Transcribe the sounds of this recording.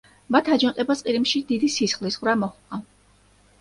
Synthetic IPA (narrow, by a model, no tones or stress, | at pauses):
mat̪ʰad͡ʒɔnqʼɛbasqʼiɾimʃid̪id̪isisχlisʁvɾamɔχkʼa